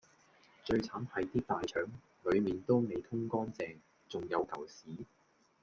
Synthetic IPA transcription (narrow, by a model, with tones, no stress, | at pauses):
t͡ʃɵ˧ɥt͡sʰaː˨˥nhɐ˨jt̪iː˥t̪aː˨jt͡ʃʰœː˨˥ŋ | lɵ˨˧ɥmiː˨nt̪o˥wme˨˧jt̪ʰʊ˥ŋkɔː˥nt͡sɛː˨˧ŋ | t͡sʊ˨ŋjɐ˨˧wkʰɐ˨˩wsiː˨˥